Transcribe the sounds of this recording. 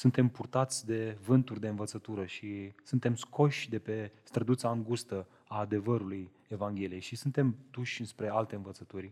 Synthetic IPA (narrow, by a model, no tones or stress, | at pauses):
sunt̪e̞mpurt̪at̪sʲd̪e̞vɨnt̪urʲd̪e̞ɨnvət̪sət̪uɾəʃisunt̪e̞mskʰo̞ʃʲd̪e̞pe̞st̪ɾəd̪ut̪saːŋɡust̪ə | aːd̪e̞vəɾuluj | e̞vaŋɡʲe̞lijejʃisunt̪e̞md̪uʃʲɨnspɾe̞alt̪e̞ɨnvət̪sət̪urʲ